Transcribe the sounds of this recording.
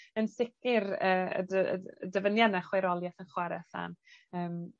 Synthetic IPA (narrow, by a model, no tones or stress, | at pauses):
ənsɪkɪɾəːə̰də̰dəvənjanɛχweɾɔlˠjaθənχwaɾɛθa̰nəːm